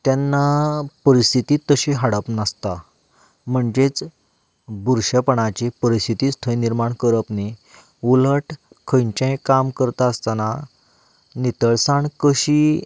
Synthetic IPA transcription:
t̪janːapəɾist̪it̪it̪ːəɕĩɦaɽəpnast̪a | m̤əɳd͡ʑet͡s | buɾɕəpəɳ̃at͡ɕipəɾist̪ʰit̪iːst̪ʰə̃jniɾmaɳkəɾəpne | uləʈ | kʰəjɲt͡ɕẽjkamkəɾt̪aəst̪ana | nit̪əɭsaɳkəɕi

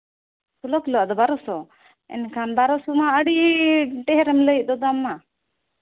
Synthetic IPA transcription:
sʰulɔklɔad̪ɔbaɾɔsɔ | ɛ̰nkʰanbaɾɔsɔmaəɽiʈɛɦɛɾɛmləj̚ˀd̪ɔd̪amːa

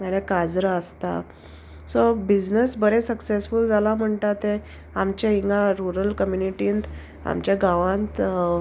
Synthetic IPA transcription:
maɽekad͡zɾəst̪a̰ | sobid͡znəsbəɾesəksesfuld͡zalam̤əɳʈ̪at̪ẽ | amt͡ɕaɦiŋɡaɾuɾəlkəmjuniʈiːnt̪ | a̰mt͡ɕjaɡaʋãnt̪

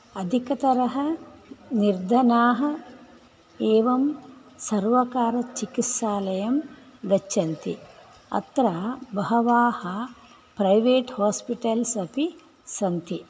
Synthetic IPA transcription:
ɐd̪ʱikɐt̪ɐɾɐɦɐniɾd̪ʱɐnaːɦɐ | eːʋɐmsɐɾʋɐkaːɾɐt͡ʃikit̪saːlɐjɐmɡ̪ɐt͡ʃːɐnt̪ḭ | ɐ̰t̪ɾabɐɦɐʋaːhɐ | pɾɐjʋeːʈhaːspiʈɐlsɐpʰi | sɐnt̪i

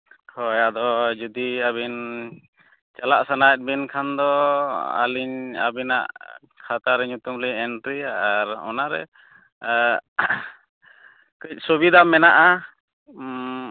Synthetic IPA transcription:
hɔjad̪ɔd͡ʒud̪iaβin | t͡ʃalaʔsanaɛt̪̚ˀbinkʰand̪ɔa̰liɲa̰bina̰ʔ | kʰat̪aɾɛɲut̪umliɛnʈɾiaaɾɔ̰naɾɛ̰ | kəc̚ˀsobid̪amɛnaʔa

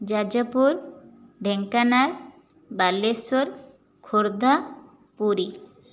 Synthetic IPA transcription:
d͡ʒad͡ʒapuɾɖʱeŋkanaɾ | balesoɾ | kʰoɾd̪ʱa | puɾi

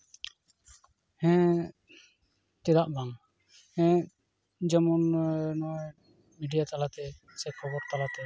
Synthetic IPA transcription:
hɛ̃ | t̪ɛd̪aʔbaŋ | hɛ̃ | d͡ʒamɔnnɔ | miɖijat̪alat̪ɛ | sɛkʰɔbɔɾt̪alat̪ɛ

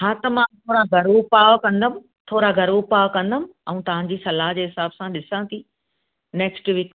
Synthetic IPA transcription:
ɦãːt̪ɐmãt̪ʰoːɾaɡʱɐɾopaːʋkɐ̃nd̪əmɪ̃̆ | t̪ʰoːɾaɡʱɐɾupaːʋkɐ̃nd̪əmɪ̆ɛ̃ũt̪ɐʋ̤ãɲd͡ʑiːsɐlaːɦd͡ʑeːɦɪsaːbsãɗɪsãt̪ʰi | nɛːksʈʋiːk

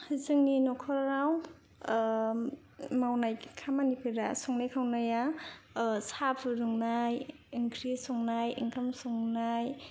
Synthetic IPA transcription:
hɯzɯŋninɔkʰɔɾɾaw | mawnajkʰamanipʰɯɾasɔŋnajkʰawnaja | sapʰɯɾuŋnaj | iŋkʰɾisɔŋnajiŋkʰamsɔŋnaj

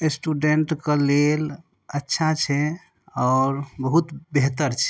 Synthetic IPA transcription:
esʈuɖeɳʈkəlel | ətːʃʰat͡ʃʰɛ | ɔɾbəɦut̪beɦt̪əɾt͡ʃʰɛ̥

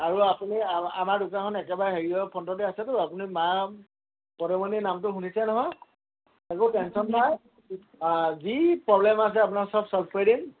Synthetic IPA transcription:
aɹuapuniaa̰madukakʰɔnɛkɛbaɹɛɦeɹiɔpʰɔntɔt̬ɛasɛtʊapunima | pɔɾɔmɔninamtʊɦunisɛnɔɦɔj | ɛkũtɛnsɔnpaj | zipɹɔblɛmas̬ɛap̬unaɹsɔpsɔlpʰweɾin

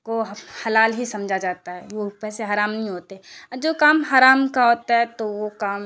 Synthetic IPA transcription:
koɦhɐlaːlɦisɐ̃md͡ʒʱad͡ʒaːt̪aɦɛʋopɛːseɦaːɾaːmnɐɦĩɦoːt̪eɦɛ̃d͡ʒoːkaːmɦaːɾaːmkaɦoːt̪aɦɛt̪oʋokaːm

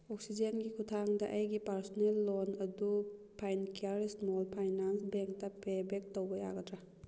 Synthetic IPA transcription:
ok̚sid͡ʒenɡikʰutʰaŋdɐʔɐjɡipaɾsɔnelːonɐdupʰajnkiaɾismolpʰajnansbeŋk̚tɐpebek̚towbɐja̰ɡɐdɾa

